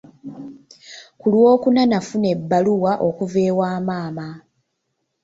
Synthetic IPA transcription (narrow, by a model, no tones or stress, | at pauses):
kulwo̞ːkunanafune̞bːaluwaʔo̞kuve̞ːwaːmaːma